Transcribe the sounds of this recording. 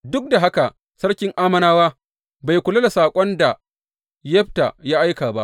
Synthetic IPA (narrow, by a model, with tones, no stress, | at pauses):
dʊ˦k̚da˨ɦa˦ka˨ | sɐ˦ɽkʲɪ˦ŋʔaː˦mɐ˦naː˦waː˦ | ba˨jkʷʊ˨lɐ˦la˨saː˨kʷʼɔ˦nda˨ | jɛ˦ɸta̰˨jaː˦ʔa˦jkaː˨ba˦ʔ